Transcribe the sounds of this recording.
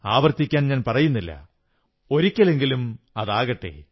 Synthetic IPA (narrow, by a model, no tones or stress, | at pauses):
aːʋɐrt̪ːikʲːaːnɲaːnpɐrɐjunːilːɐ̰ | o̞ɾikʲːɐle̞ŋɡilum | ɐðaːɣɐʈːḛ